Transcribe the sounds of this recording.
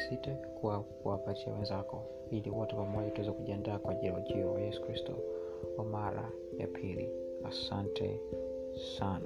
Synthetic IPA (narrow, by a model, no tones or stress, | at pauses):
sitekuakuwapat͡ʃia̰wenzako | iliwotepamojotwezokuɟendakwaɟiɾoɟiowajesu̥kɾistu | omaɾa̰ | ja̰pʰilḭ | asantḛ | sana